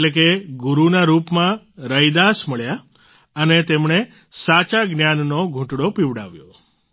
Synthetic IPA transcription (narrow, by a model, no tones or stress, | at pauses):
lek̬eɡuɾunaɾupmã | ɾəjd̪asməɭja | ənet̪emɳe | sat͡ʃaɡnjannoɡʱũʈɽopiʋɽaʋjo̰